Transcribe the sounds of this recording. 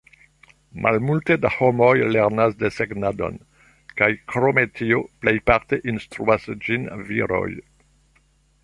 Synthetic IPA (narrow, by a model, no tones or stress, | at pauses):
mʔa̰lmulte̞daho̞mo̞jleɾnasdeseɡnado̞̰n | kajkɾo̞me̞tʰiople̞jpaɾte̞ʔinstɾṵasd͡ʒinvḭɾo̞̰j